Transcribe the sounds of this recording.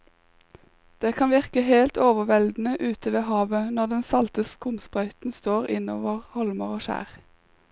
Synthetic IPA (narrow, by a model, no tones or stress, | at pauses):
d̪̥eːkʰɑnʋɪʁkəheːlt̪ʰoːʋəʋɛld̪n̩əʔʉːt̪əʋeːhɑːʋənɔʁd̪ɛnsɑlt̪əskʰʊmsbʁɑʏt̪n̩st̪oːʁɪno̰ːʋəʁhɔlməʁoːʃæ̰ːʁ